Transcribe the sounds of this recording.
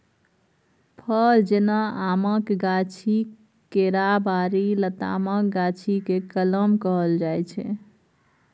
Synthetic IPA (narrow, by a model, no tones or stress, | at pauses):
pʰəld͡ʒenaaməkɡat͡ʃʰi | keɾabaɾilət̪a̰mək̚ɡat͡ʃʰikekələmkəɦəld͡ʒajt͡ʃʰɛ